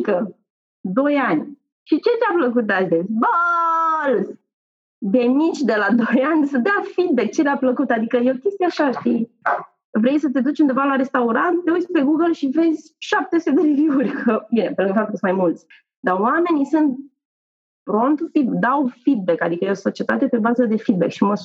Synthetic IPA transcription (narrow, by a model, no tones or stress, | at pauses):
kə | d̪o̞janʲ | ʃit͡ʃe̞t̪eapləkut̪̚d̪asd̪et͡sʲbə | lz | benit͡ʃʲd̪e̞lad̪o̞janʲsəd̪eawfid̪̚be̞k̚t͡ʃeleapləkut̪ad̪ikəjeokʲest̪ijaʃaʃt̪i | vɾe̞jsət̪e̞d̪ut͡ʃund̪e̞valaɾe̞st̪auɾant̪t̪eut͡ʃpe̞ɡuɡəlʃive̞zʲʃap̚t̪esed̪eɾiviurʲkəbinepelɨŋɡ̪fat̪ukəsunmajmult̪sʲ | d̪awame̞nisɨnt̪̚ | pɾont̪fid̪awfid̪̚be̞kad̪ikəjeoso̞t͡ʃie̞t̪at̪epɾebazəd̪e̞fid̪̚be̞̰kʃimə